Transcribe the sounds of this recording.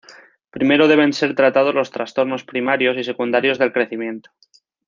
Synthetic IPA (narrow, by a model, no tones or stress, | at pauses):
pɾime̞ɾo̞ð̞e̞βe̞nse̞ɾt̪ɾat̪að̞o̞zlo̞st̪ɾast̪o̞ɾno̞spɾimaɾjo̞sise̞kund̪aɾjo̞zðe̞lkɾe̞θimjẽ̞nt̪o̥